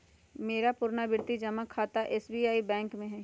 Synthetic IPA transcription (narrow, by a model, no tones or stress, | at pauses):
meːɾapʊɾnabɪɾt̪id͡ʒɐmakʰːaːt̪aʔɛːsbiːaːibɛ̃ːŋkmẽɦɛ